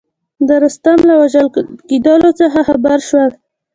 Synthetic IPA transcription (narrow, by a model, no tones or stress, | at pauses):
d̪əɾʊst̪amlawaʒalkid̪ɑlot͡səxaxabaɾʃwal